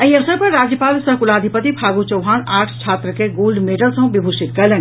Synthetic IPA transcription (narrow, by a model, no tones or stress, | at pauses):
əiəsəɾpəɾɾad͡ʒjəpaːlsəɦkulad̪ʱipət̪ipʰaɡut͡ʃəwɦaːnaːʈʰt͡ʃʰaːt̪ɾəkeɡolɖmeʈəlsə̃ɦbibʱuʃit̪kɛlən